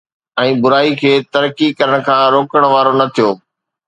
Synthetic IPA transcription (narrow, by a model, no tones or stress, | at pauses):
ɛ̃ːbʊɾaːikʰeːt̪ɐɾkikɐɾəɽ̃kʰãːɾoːkəɽ̃ʋaːɾonɐt̪ʰijoː